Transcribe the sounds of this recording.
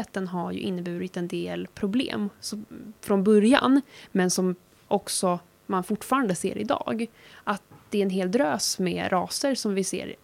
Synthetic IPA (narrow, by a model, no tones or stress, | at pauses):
t̪ənɦaɾjɵ̰ʔɪnːəbʉ̟ːɾɪt̪ɛnd̪eːlpʰɾʊblḛːmsɔfɾɔnbɵɾja̰nmɛnsɔm | ʔɔksɔ | manfʊʈːfɑːɾand̪əsḛːɾɪ̰d̪ɑ̰ːɡʔat̪̚d̪̥ɛɾɛnɦeːld̪ɾøːsmɛ̰ɾʔɑːsəɾsɔmvɪsḛːɾ